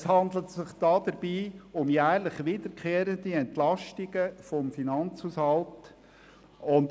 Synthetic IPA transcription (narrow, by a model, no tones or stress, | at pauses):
shɑnd̪lətsɪχd̥ɑːd̥̪əɾb̥iːʊmjæːɾlɪχʋɪd̥əɾkχeːɾənd̪iɛnt̪lɑʃtɪɡəfɔmfinɑnt͡shuːshɑlt | ʊnd